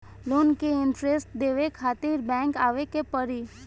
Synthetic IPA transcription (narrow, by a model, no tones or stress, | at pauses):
loːnkeɪnʈɾesʈd̪eːʋekʰaːt̪iːɾbɛ̃ːŋkaːʋekepəɾiː